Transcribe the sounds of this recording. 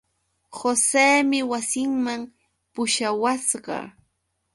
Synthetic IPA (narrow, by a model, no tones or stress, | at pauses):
xoseːmɪwasɪŋmam | pʊʃawasɢɑ̰